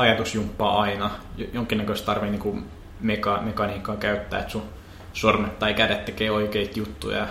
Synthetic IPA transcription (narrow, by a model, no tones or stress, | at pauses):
ɑjɑt̪usjumpːɑ̰ːɑinɑjjoŋkːˑinːækøist̪t̪ɑrʋeniːŋku | mekɑmekɑniːkːˑɑːkæyt̪ːæ̰ːet̪su | sormet̪ːɑikædet̪t̪ekeːoikeit̪jut̪ːṵjɑ̰